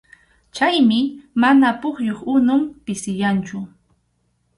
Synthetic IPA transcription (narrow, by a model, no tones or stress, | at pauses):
t͡ʃajmɪmanapʊχjoχʊnʊmpɪsɪjant͡ʃʊ